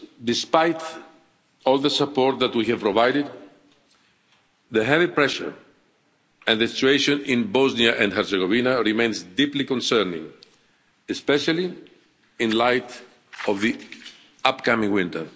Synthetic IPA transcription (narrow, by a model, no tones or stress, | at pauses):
d̪ɪspajt̪ | ɔlˠðəsapɔɹt̪̚ðæt̪wihɛvpɾɔvajdɪd̪ | ðəɦɛvipɹɛʃə̰ɹ | ɛ̃nðəsit͡ʃueɪʃõnɪ̃nbɔzniaʔɛ̃ndɦɛɾseɡovinaɹimẽj̃nzd̪iplikɔ̃nsɛɾnɪ̰̃ŋ | ɨspɛʃali | ɪ̃nlajt | ɔvði | apkamĩŋwɪ̃nt̪ə̰˞